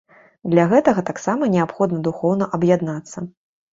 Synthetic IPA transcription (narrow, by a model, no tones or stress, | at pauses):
d̪lʲɐɣɛt̪ɐɣɐt̪aksamɐnʲɛapxɔd̪nɐd̪uxɔwnɐʔɐbjad̪nat̪sːɐ